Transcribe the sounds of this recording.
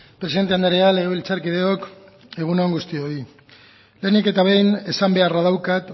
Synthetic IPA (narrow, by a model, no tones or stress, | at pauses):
pɾesiðent̪eand̪aɾealeɣoelt͡saɾkiðe̞o̞k | e̞ɣ̞unoŋɡust̪io̞i | le̞nike̞t̪aβe̞jne̞sambe̞arað̞awkat̪